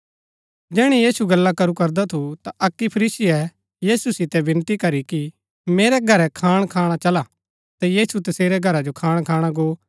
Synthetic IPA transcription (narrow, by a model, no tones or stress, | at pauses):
d͡ʒɛːɽ̃ijiːsuɡɐlːakɐɾukɐɾd̪at̪ʰut̪aʔɐkːipʰɐɾiːsɪjɛ | jiːsusɪt̪ɛbɪ̃nt̪ikɐɾiki | meːɾɛɡʱɐɾɛkʰaːɽ̃kʰaːɽ̃at͡ʃɐla | t̪ajiːsut̪ɐseːɾɛɡʱɐɾad͡ʒokʰaːɽ̃kʰaːɽ̃aɡoː